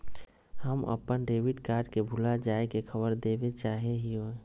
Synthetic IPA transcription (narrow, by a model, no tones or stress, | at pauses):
həmə̰pənɖeːʋiʈkaːɾɖkebʱʊlad͡ʒaːekexʰəbəɾd̪eːbet͡ʃaːɦeɦio